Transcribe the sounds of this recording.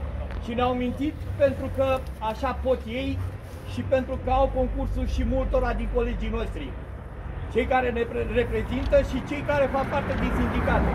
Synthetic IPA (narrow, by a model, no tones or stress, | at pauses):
ʃineawamint̪it̪pe̞nt̪ɾukə | aʃapo̞t̪je̞j | ʃipe̞nt̪ɾukəawko̞ŋkursulʃimult̪o̞ɾad̪iŋko̞le̞d͡ʒijno̞ʃt̪ɾi | t͡ʃe̞jkaɾe̞nepre̞pɾe̞zint̪əʃit͡ʃe̞jkaɾe̞fak̚part̪e̞d̪insind̪ikat̪